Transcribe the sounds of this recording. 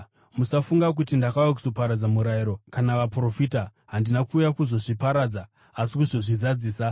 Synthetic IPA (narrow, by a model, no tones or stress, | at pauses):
musafuŋɡak̬utindakawakuzo̞paɾad͡zamuɾajiɾo̞kanaʋapro̞fita | ɦandinakuːjakuzo̞ʐipaɾad͡zaː | sikuʐo̞ʐizad͡ziːsa